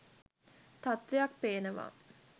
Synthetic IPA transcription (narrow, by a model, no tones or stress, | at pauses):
t̪at̪ʋejakpeːnəʋa̰ː